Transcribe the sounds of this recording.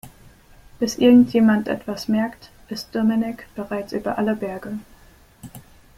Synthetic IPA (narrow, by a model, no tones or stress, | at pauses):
b̥ɪsʔɪɐɡŋ̩tʰjeːmantʔɛ̰tv̥asmɛɐkt | ʔɪstd̥ɔmɪnɪkb̥əʁaɪt͡sʔy̰ːbɐʔaləbɛɐɡə